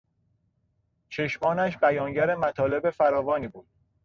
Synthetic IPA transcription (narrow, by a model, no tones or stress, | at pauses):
t͡ʃʰe̞ʃmɒːnæʃ̬bæjɒːŋɟæɾemæt̪ʰɒːle̞befæɾɒːvɒːniːbuːd̪̥̚